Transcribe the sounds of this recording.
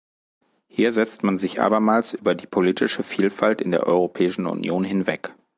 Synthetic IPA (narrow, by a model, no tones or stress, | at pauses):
hiːɐzɛt͡stmanzɪçʔa̰ːbɐmaːlsʔyːbɐdiːpʰoliːtʰɪʃəfiːlfaltɪndeːɐʔɔ̰ʏʁ̞opʰɛːɪʃn̩ʊ̰njoːnɦɪnvɛ̰k